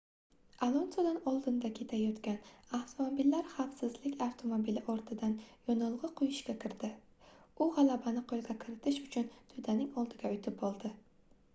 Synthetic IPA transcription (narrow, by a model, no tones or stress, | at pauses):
alˠonsod̪anɒlˠd̪ɪnd̪akʲʰe̞t̪ʰajɒt̪kʲanaft̪ʰomobilːaɾχafsɪzlɪkʲaft̪ʰo̞mobilɪʔɒɾt̪ʰɪd̪anjɒnɨlˠʁɨqʰojɪʃkʲakʰʲɪɾd̪ɪ | ʊʁɑlˠabanɪqʰolˠɡʲakʲʰɪɾɪt̪ʰɪʃʊt͡ʃʰʊnt̪ʰʊd̪anɪŋɒlˠd̪ɪɡʲaʊjt̪ʰɪpɒlˠd̪ɪ